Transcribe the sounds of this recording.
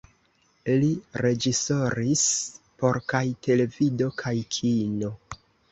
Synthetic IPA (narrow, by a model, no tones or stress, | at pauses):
liɾe̞d͡ʒiso̞ɾis | po̞ɾkajte̞le̞vido̞kʰajkʰino̞